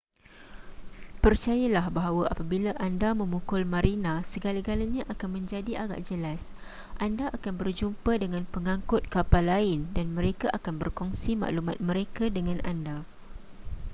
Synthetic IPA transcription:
pərt͡ʃajalahbaɦawaʔapabilaʔandamə̃mukʊlmaɾinãsəɡalaɡalaɲaʔakanmə̃ɲd͡ʒadiʔaɡa̰ʔd͡ʒəlas | ʔandaʔakanbərd͡ʒumpadəŋãnpəŋãŋkʊt̪̚kapalːaɪndanmə̃ɾekaʔakanbərkɔŋsima̰ʔlumat̪̚mə̃ɾekadəŋãnʔanda

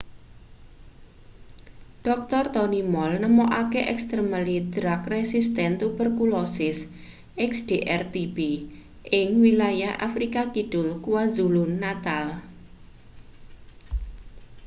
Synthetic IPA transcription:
ɖ̥ɔk̚t̪ɔrt̪ɔnimɔlnəmoʔakeʔɛ̰kst̪ɾəməlid̪ɾakresist̪ɛnt̪ubərkulɔsɪs | ʔɛksd̪̥eʔɛrt̪ib̥e | ʔɪŋwilajahʔa̰fɾikakid̥ʊlkuwazulʊnːat̪al

